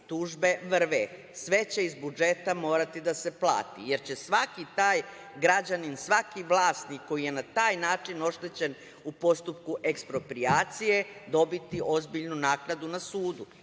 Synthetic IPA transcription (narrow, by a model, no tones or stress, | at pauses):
t̪uʒbe̞ʋr̩ʋe | sʋe̞t͡ɕe̞izbud͡ʒe̞t̪amo̞ːɾat̪id̪ase̞plˠa̰ːt̪ḭje̞ɾt͡ɕe̞sʋakit̪aːj | ɡɾad͡ʑaninsʋakiʋlˠaːst̪nikːo̞jije̞nat̪aːjnaːt͡ʂino̞ʃt̪e̞t͡ɕe̞n | upo̞st̪upkuʔe̞kspɾo̞pɾiaːt̪sije̞d̪o̞bit̪iʔo̞zbiʎnunaːknad̪unasuːd̪u